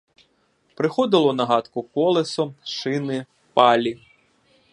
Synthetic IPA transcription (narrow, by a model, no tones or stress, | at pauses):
pɾɪxɔd̪ɪlˠɔnɐɦɑt̪kʊkɔlˠesɔʃɪnɪ | pɑlʲi